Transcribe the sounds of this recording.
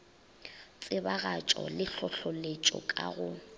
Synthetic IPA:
t͡sʼɪbaɣat͡ʃʼɔ̰lɪɬɔɬɔlet͡ʃʼɔ̰kʼaɣʊ

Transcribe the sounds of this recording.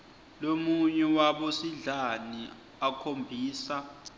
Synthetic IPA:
lomuɲɛwaɓosiɮani | akʰombʱiːsa

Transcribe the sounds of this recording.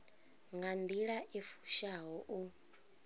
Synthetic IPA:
ŋɡand̪iɺaʔifu̥ʃaɦɔʔu

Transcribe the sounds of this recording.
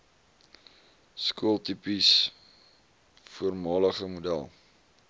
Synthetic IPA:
skuəlˠtipis | fuərmɑːləχəmudæ̰lˠ

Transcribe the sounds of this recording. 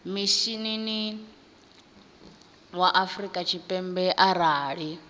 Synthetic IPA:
miʃinini | waʔafɾikʼat͡ʃʰipʼɛmbɛʔaɾaːɺi

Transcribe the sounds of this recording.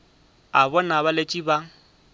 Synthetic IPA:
abɔnaβalet͡ʃʼiba

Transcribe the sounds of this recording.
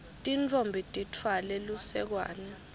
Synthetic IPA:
tʼint͡fʰʼombʱitʼitʰwalɛlusɛk̬wa̰ːnɛ

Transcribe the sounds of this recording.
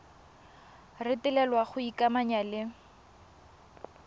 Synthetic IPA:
rɪtɪlɛlwaχʊikʼamaɲalɪ

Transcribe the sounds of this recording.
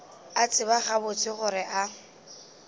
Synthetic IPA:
at͡sʼɪbaχabʊt͡sʼɪχʊɾɪʔa

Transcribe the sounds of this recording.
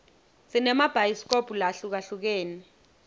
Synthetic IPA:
sinɛmab̥ʱajiskopʰʼulaɬuk̬aɬuk̬eːni

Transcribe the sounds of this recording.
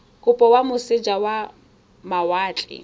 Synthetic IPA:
kʼʊpʼɔwamʊsɪd͡ʒawa | mawaːt͡ɬʼɪ̰

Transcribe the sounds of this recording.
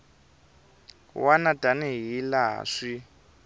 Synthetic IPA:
wanadanɛɦila̰ːʂi

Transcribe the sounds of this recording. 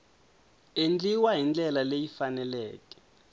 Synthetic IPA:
end͡ɮiwaɦind͡ɮɛlalejifanɛlɛːkʼɛ̥

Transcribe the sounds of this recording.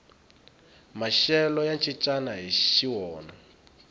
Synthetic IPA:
maʃɛlɔjant͡ʃʼit͡ʃʼanaɦiʃiwɔːna

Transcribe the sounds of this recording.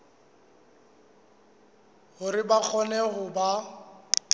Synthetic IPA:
hʊɾɪbak͡xʰɔnɛɦʊba

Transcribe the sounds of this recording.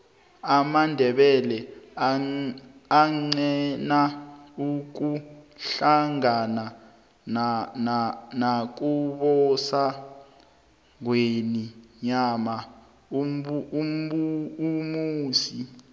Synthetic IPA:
amandʱɛɓɛlɛ | aŋ͡ǀɛnauk̬uɬaŋana | nanak̬uɓɔsa | ŋweniɲama | muumuːsi

